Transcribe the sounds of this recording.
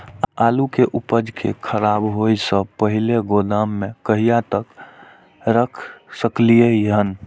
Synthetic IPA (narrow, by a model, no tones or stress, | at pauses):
alukeʔupəd͡ʒkʰḛkʰəɾabɦojsə̃pəɦileɡod̪əmːekəɦijat̪ək | ɾəkʰsəklijejəɦən